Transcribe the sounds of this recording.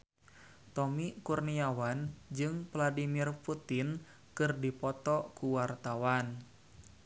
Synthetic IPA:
t̪ɔmikurniawand͡ʒɨŋvladimirput̪in | kɨrdipɔt̪ɔkuwart̪awan

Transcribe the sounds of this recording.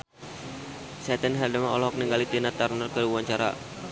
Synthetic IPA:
sɛt̪ənɦɛrdəmaɔlɔɦɔk̚niŋɡalit̪inat̪arnərkəɾiuaɲt͡ʃaɾa̰

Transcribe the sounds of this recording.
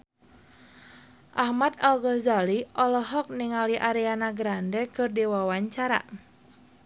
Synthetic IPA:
ʔahmat̪alɡɔzaliʔɔlɔɦɔk̚nɪŋaliʔaɾɛanaɡɾandɛkɨrdewawaɲt͡ʃaɾa̰

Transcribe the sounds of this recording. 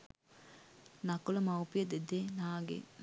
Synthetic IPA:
nakulɐmɐwpijəd̪ed̪eːnaːɡḛ

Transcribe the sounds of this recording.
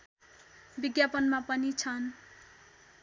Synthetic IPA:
biɡjapʌnmapʌnit͡sʰʌn

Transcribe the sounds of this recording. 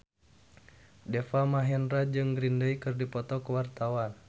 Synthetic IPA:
dɛfamaɦɛnrad͡ʒɨŋɡɾindəikɨrdipɔt̪ɔkəwart̪awan

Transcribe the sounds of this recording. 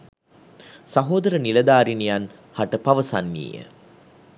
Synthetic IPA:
sɐɦoːd̪ɐɾənilɐd̪aːɾinijan | hɐʈəpɐʋɐsa̰nːḭːjə̰

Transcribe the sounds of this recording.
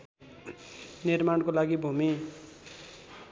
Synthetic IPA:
niɾmankolaɡibʱumi

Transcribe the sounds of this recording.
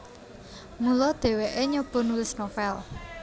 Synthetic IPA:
mulɔd̪̥e̤weʔeɲɔb̥ɔ̤nulɪsnofɛl

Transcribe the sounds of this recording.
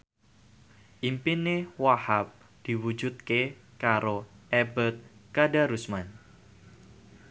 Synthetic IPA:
ʔimpinewahap̚ | d̪̥i̤wu̥d͡ʒut̪̚kekaɾoʔɛbət̪̚kadaɾusman

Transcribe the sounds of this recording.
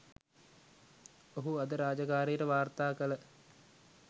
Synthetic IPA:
oɦuad̪əɾaːd͡ʒəkaːɾijəʈəʋaːrt̪aːkələ

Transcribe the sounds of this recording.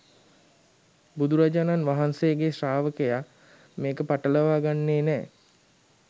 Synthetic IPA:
bud̪uɾad͡ʒananʋaɦansejəɡesraːʋəkəja | meːkəpaʈələʋaːɡanːeːnɛː

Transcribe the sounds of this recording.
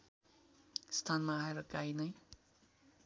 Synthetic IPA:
st̪ʰanmaːeɾʌkainʌj

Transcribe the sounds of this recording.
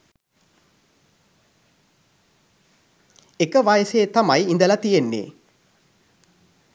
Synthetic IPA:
ekəʋaːjəseːt̪amajind̪əlat̪ijenːḛ

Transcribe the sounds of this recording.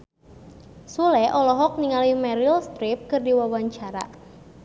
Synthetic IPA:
sulɛʔɔlɔɦɔk̚niŋalimɛɾilst̪ɾip̚kɨrdiwawaɲt͡ʃaɾa̰

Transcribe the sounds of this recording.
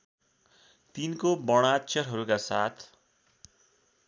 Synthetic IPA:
t̪inkobʌɽ̃atːt͡ʃʰʌrɦʌɾukasat̪ʰ

